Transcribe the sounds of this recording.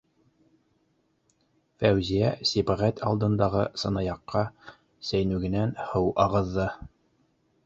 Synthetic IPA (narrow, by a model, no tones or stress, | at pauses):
fæwzijæsibæʁæt̪ʰɑlˠd̪ɤ̆nd̪ɑʁɤsɤ̆nɑjɑqːɑ | sæjnʉɡɘ̆nænhɤwʔɑʁɤ̆ðːɤ